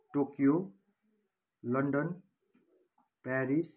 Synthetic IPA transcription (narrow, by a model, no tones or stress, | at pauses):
ʈokijo | lʌɳɖʌn | paɾis